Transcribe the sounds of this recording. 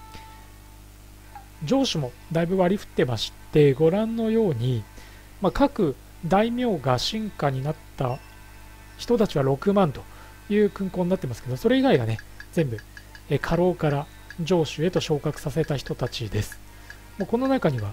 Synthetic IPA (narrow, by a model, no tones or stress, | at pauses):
d͡ʑo̞ːɕɨmo̞ | d̪aibɯ̟βaɾʲiɸɯ̥t̪ːe̞maɕi̥t̪e̞ɡo̞ɾãnːo̞jo̞ːɲ̟i | makakɯ̟ | d̪aimʲo̞ːɡaɕĩŋkaɲ̟inat̪ːa | çi̥t̪o̞t̪at͡ɕiβ̞aɾo̞kɯ̟mãnt̪o̞̥ | jɯ̟ːkɯ̟̃ŋkoːɲ̟inat̪ːe̞masɨ̥ke̞d̪o̞so̞ɾe̞iɡaiɡa̰ne̞z̥ẽ̞mbɯ̟ | kʰaɾo̞ːkaɾa | d͡ʑo̞ːɕɨe̞t̪o̞ɕo̞ːkakɯ̟̥sase̞t̪açi̥t̪o̞t̪at͡ɕid̪e̞sɨ̥ | moko̞no̞nakaɲ̟iβa